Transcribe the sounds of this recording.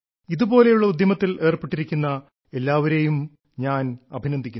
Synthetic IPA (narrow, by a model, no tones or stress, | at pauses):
iðubo̞ːle̞juɭːɐud̪jɐmɐt̪ːile̞ːrpeʈːiɾikʲːunːɐ | e̞lːaːʋɐɾejum | ɲaːnɐbʱinɐnd̪ʱikʲːu